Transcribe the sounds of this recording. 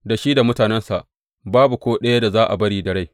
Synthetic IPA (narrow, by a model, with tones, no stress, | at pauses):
da˨ʃiː˦da˨mʊ˦taː˨nɛ˦nsa˨ʔ | baː˦bu˨kʷoː˦ɗɐ˦ja˦da˨zaː˦ʔa̰˨bɐ˦ɽiː˨dɐ˨ɽa˦j